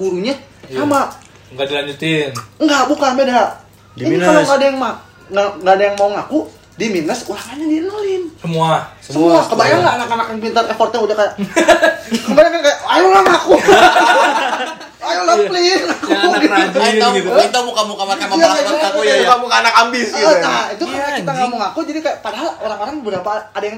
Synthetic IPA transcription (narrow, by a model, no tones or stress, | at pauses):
buɾuɲa | sama | ŋɡadilaɲd͡ʒut̪ɪnŋɡabukanmɛdaɦa | dinialaŋɡaːdajaŋma | ŋaŋɡaːdajaŋmaɔŋaku | diminasulaŋaɲaninulɪnsəmuassəmuakəbajaŋɡaːnakanakjaŋpint̪arefɔrt̪ɲaudahkajaʔ | kəmbaɾaŋkankajaʔajulahŋaku | ajulapliakuɡiat̪it̪amukamukamakamajaiuaaukamuŋaːnakambɪsɡiənait̪ukəmaakit̪aŋɡamuŋakud͡ʒadikajaʔpadaɦaloɾaŋoɾaŋbəɾapaːdajaŋ